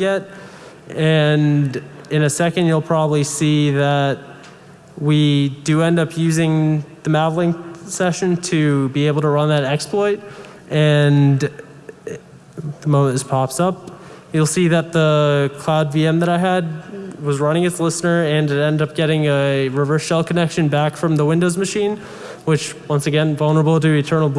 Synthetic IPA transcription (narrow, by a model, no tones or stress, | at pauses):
ɡɛɾ̚ | ɨ̃nɨ̃nɨsɛkɨ̃ndjulˠpʰɹ̥ɑbəblisiðɨt̚ | widɨɛ̃ndʌpjʉzɪ̃ŋðɨmævl̩ˠɪ̃ŋsɛʃɨ̃ntʰɨbieɪbl̩ˠtʰəɹʌ̃nðɨɾɛksplɔɪt̚ | ʔɨ̃n | ðəmõʊ̃mɨ̃ntɨz̥pʰɑpsʌp̚ | julˠsiðɨt̪̚ðəkʰl̥aʊdviɛ̃mðɨɾaɪɨd̚wʌzɹʌ̃ñɪ̃ŋɨzlɪsnə˞ɨ̃nɨɾɛ̃ndʌp̚ɡ̥ɛɾɪ̃ŋɨɹɨvɜ˞sʃɛlˠkʰənɛkʃɨ̃nbækfɹʌ̃mðəwɪ̃ndoʊzmɨʃĩn | wɨt͡ʃwʌ̃nsɨɡɛ̃nvʌlˠnə˞əbl̩ˠtɨɨtʰɜ̃˞nl̩ˠb